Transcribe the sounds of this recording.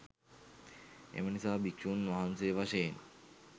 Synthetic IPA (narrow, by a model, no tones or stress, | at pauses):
ḛmənisaːbikʃuːnʋaɦansojʋaʃəjen